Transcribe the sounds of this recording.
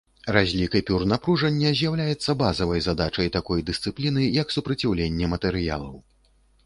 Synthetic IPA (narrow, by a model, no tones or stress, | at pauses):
razʲlʲikɐjpʲurnapɾuʐɐnʲːɐzʲjawlʲajɛt̪sːɐbazɐvɐjzad̪at͡ʂɐjt̪akɔjd̪ɨst̪sɨplʲinɨjɐksupɾɐt͡sʲawlʲenʲːɛmɐt̪ɛɾɨja̰lˠɐ̰w